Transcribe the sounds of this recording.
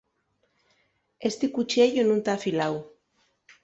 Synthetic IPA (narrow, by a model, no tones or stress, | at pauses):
est̪ikut͡ʃieʎonũnt̪aːfilaw